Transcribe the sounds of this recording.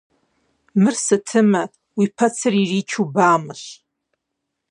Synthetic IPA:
mɨrsɨtʰɨmɐ | wipʰɐt͡sʰɨririːt͡ʃʰubaːmɨɕ

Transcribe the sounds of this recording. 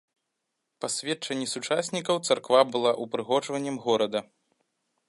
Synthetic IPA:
pɐsʲvʲɛt͡ʂɐnʲːisut͡ʂasʲnʲikɐwt̪sarkvabɨlˠaʔupɾɨɣɔt͡ʂvɐnʲːɐmɣɔɾɐd̪ɐ

